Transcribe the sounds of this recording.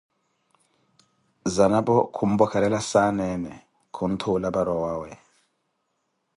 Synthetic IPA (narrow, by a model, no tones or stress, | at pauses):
zanabɔkʰum̩bɔkʰalɛlasanɛnɛ | kʰun̩tʰulabaɾɔwaːwɛ